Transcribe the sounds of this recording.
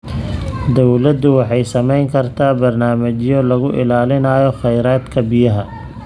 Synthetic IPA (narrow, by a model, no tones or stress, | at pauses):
d̪ɔwlɐd̪ʊwɑħɑjsɐmɛjŋkʰɐrt̪ʰaːbɐrnaːmɐt͡ʃjɔlɐɣʊʔɪ̰laːlɪnɐːjɔχɛjɾaːd̪kʰɐbɪjɐɦɐ